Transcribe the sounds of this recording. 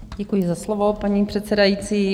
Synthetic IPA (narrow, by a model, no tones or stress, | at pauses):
ɟɛkujɪzaslovo̞paɲipr̥ɛt̪t͡sɛdajiːt͡siː